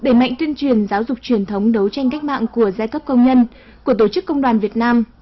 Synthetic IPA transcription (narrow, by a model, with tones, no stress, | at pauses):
ɗe˧˩ma̰˧˨jŋ̟t̪wi˧ənt͡ɕwi˨˩ənzaː˨˦wzʊ˨˩k͡p̚t͡ɕwi˨˩ənt̪ʰə˨˦wŋ͡mɗə˨˦wt͡ɕa˧jŋ̟k̬a˦˥k̟̚ma̰ː˧˨ŋku˧˩əzaː˧jkə˦˥p̚kə˧wŋ͡mɲə˧n | ku˧˩ət̪o˧˩t͡ɕɨ˦˥kːə˧wŋ͡mɗwaː˨˩nvi˨˩ət̚naː˧m